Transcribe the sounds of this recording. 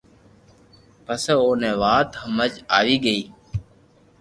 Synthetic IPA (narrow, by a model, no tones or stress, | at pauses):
pəsoːneːʋaːt̪ɦəməd͡ʒaːʋiːɡəiː